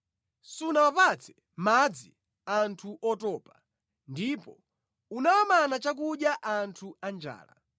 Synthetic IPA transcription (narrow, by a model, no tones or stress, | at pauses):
sunawapat͡sʰɛ | mad͡zi | antʰuʔɔtɔːpa | ndipɔ | unawamanat͡ʃak̬uɗjaʔantʰuand͡ʒa̰ːla̰